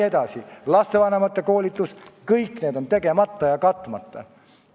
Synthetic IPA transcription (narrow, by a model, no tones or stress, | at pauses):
ed̪̥ɑsilɑst̪e̞vɑnemɑt̪ːeko̞ːlʲit̪ːˑuskɤjkːneːd̪o̞nt̪e̞ɡ̥e̞mɑt̪ːɑjɑkɑt̪ːˑumɑt̪ːɑ̰